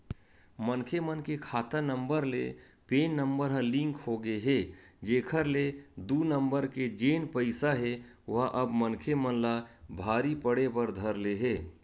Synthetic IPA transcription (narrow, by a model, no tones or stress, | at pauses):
mənkʰemənkekʰaːt̪ənəmbəɾlḛ | peːnːə̃mbəɾɦə̃lɪ̃ŋkɦoɡeɦeːd͡ʒeːkʰəɾled̪unə̃mbəɾked͡ʒeːnpəɪsaɦe | ʋʊɦaʔəbmənkʰemənlabʱaːɾipəɽepəɾd̪ʱəɾleɦeː